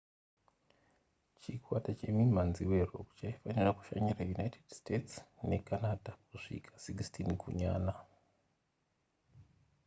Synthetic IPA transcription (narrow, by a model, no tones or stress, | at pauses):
t͡ʃikwatat͡ʃe̞mimanziwe̞ro̰ku̥t͡ʃaifaniraku̥ʃa̰ɲirajunaitʰedstetsne̞kanadʱakuʐḭkʰḁsikstʰinkʰṵɲa̰ːna